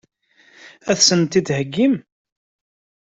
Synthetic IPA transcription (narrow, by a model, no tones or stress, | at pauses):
æθsənt̪id̪həɡːim